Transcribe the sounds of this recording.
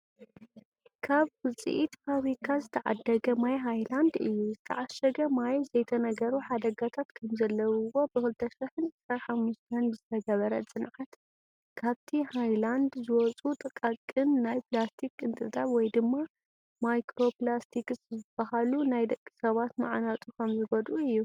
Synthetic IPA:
kʰaβkɨt͡sʼḭʔit̪faβɾikʰazɨt̪ʰɐʕa̰d̪ːɐɡɐmajɦajland̪ɨjːuzɨt̪ʰɐʕaʃɐɡɐmajzɐjt̪ʰɐnɐɡɐɾuħad̪ɐɡat̪ʰat̪kʰɐmzɐlːɐwwo̞bɨkɨlt̪ʰɐʃiħɨnʕɨsɾanħamːuʃt̪ʰɐnbɨzɨt̪ʰɐɡɐβɐɾɐt͡sʼɨnʕat̪ | kʰaβt̪ʰihajland̪zɨwɔt͡sʼut̪ʼɨkʼakʼːɨnːajpʰlast̪ʰikɨnt̪ʼɨt̪ʼaβwɔjd̪ɨmːa | majkɾo̞plast̪ʰikɨszɨb̥ːɐhalunajd̪ɐkʼːi̥sɐβat̪ma̰ʕnat̪ʼukʰɐmzɨɡɔd̪ʔuɨjːu

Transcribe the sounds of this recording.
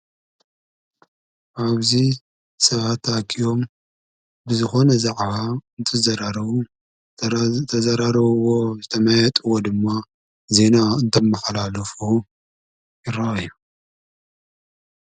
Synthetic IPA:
ʔaβzi | sɐβat̪akʰijo̞m | bɨzɨxo̞nɐzɐkʼβaɨnt̪ʰɨzɐɾaɾɐβu | t̪ʰɐzɐɾaɾɐβɨwozɨt̪ʰɐmɐjɐt̪ʼɨwod̪ɨmːa | ze̞naɨnt̪ʰomːɐxɐlalɐfu | jɪɾajːu

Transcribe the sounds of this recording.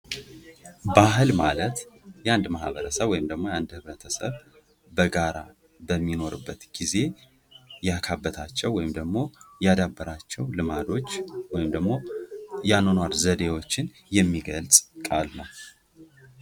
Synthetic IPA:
baɦɨlmalət̪jand̪mahβəɾəsəβwɔjɪmd̪əɡmo̞jand̪hɨβɾət̪ʰəsə̰β | bəɡaɾa̰ | bəmːino̞ɾɨbːət̪ɡ̥ize̞ | jakʰabːət̪ʰat͡ʃːɛwːɔjɪmd̪əɡmo̞jad̪abːəɾat͡ʃːɛwlɨmad̪o̞t͡ʃːwɔjɪmd̪əɡmo̞janonwaɾzəd̪e̞wo̞t͡ʃːɪn | jɛmːiɡəlsʼkʼalnəw

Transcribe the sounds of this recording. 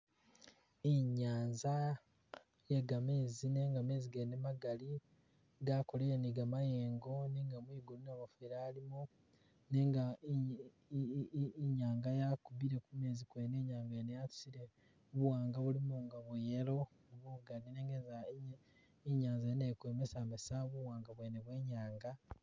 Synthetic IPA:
eɲaːnza | jeɡame̞ːzine̞ːŋɡame̞ːziɡenemaɡali | ɡakoleniɡamaje̞ːŋɡo̞neŋɡamwiːɡulunaβofeɾaːlimu | neŋɡa | ɲaːŋɡajakuβiɾe̞kume̞ːzikweːneːɲaːŋɡaenejatu̥siɾe | βuwaːŋɡaβulimuŋɡaβujelo̞ | oβuɡalineːŋɡeza | iɲaːnzajenekweːmesamesaβuwaːŋɡaβweːneβwe̞ːɲaːŋɡa

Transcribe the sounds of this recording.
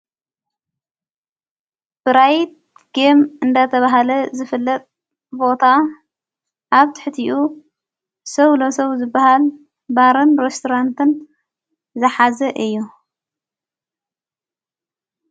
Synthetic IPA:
b̥ɨɾajt̪̚ | ɡ̥emɨnd̪ɐt̪ʰɐβaɦalɐzɨfɨlːɐt̪ʼ | bo̞t̪ʰa | ʔaβt̪ʰɨ̥ħɨt̪ʰiʔu | sɐwlosɐwzɨbːaɦal | baɾɨnɾest̪ʰoɾant̪ʰɨn | zɐħazɐʔɨjːu

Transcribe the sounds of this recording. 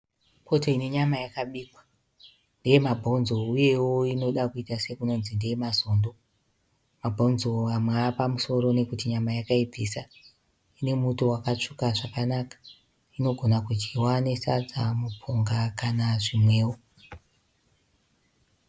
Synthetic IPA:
pʰo̞toine̞ɲamajakaɓiːkwa | ndejemabʱo̞nzouje̞wo̞ino̞ɗakuitase̞kuno̞nzindejemazo̞ːndo̞ | mabʱonzo̞amweapamuso̞ɾo̞ne̞kutiɲamajakaib͡visa | ine̞mutowakat͡ʂukaʐakanakḁ | ino̞ɡʱo̞nakut͡ʃiwane̞sa̰d͡zamupʰoŋɡakanaʐimwe̞ːwo

